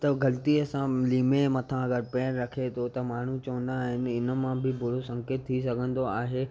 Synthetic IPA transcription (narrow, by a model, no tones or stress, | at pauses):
t̪ɐɡɐlt̪iɐsãliːmemɐt̪ʰãɐɡəɾpɛːnɾɐkʰet̪ʰot̪ɐmaːɳ̤ũt͡ɕɐʋə̃nd̪aːɦɪnɪ̆ɪnə̆mãbɪbʊɽosɐ̃ŋkeːt̪̚ʰːisɐɡʱə̃nd̪oaːɦe